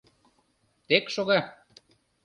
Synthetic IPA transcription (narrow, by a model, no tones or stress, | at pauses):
t̪ekʃoɣɑ